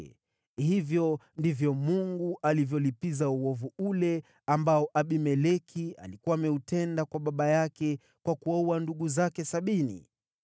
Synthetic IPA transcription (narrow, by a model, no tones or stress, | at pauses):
hivjɔndivjɔmuŋɡuʔalivjɔlipizauwɔvuulɛ | ambaɔʔaɓimɛlɛkʰia̰likuaːmɛutɛndakwaɓaɓajakɛ | kwakuauwanduɠuzakɛsaɓinḭ